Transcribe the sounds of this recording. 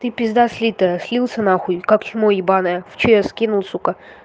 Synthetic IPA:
t̪ɨpʲɪzd̪asʲlʲit̪əjəsʲlʲilˠsʲɐnaxʊjkakximoibanəjəft͡ɕijɛskʲinulˠsukə

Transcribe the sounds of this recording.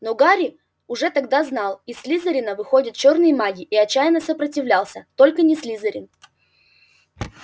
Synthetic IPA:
noɡaɾʲɪ | ʊʐɛt̪ɐɡd̪aznɑlˠisʲlʲizəɾʲɪnəvɨxo̞dʲɪt̪̚t͡ɕo̞rnɨjəmaɡʲɪʔːɐt͡ɕːæjɪnəsəpɾətʲɪvlʲalˠsʲət̪o̞lʲkənʲɪsʲlʲizəɾʲɪn

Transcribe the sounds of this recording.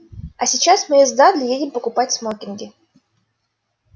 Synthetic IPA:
ɐsʲɪt͡ɕasmɨɪzd̪ad̪lʲɪjedʲɪmpəkʊpatʲsmokʲɪnɡʲɪ

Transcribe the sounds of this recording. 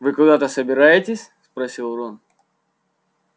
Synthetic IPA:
vɨkʊd̪at̪əsəbʲɪɾajɪtʲɪsʲspɾɐsʲilˠron

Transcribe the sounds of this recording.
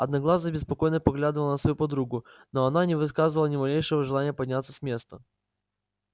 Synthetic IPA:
ɐd̪nɐɡlˠazəbʲɪspɐko̞jnəpɐɡlʲad̪ɨvəlˠənəsvɐjupɐd̪ɾuɡʊnoɐnanʲɪvɨskazɨvəlˠənʲɪmɐlʲejʂəvəʐɨlˠanʲɪjəpɐdʲnʲat̪sə̥sʲmʲe̞st̪ə

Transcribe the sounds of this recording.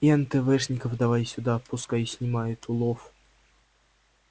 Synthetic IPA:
ɛnt̪ɛvɛʂnʲɪkəfd̪ɐvajsʲʊd̪apʊskajsʲnʲɪmajʊt̪ʊlˠof

